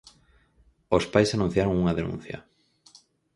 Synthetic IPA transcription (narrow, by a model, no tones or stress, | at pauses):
ospajsanũn̟θjaɾoŋuŋaðenṵ̃n̟θjɐ̰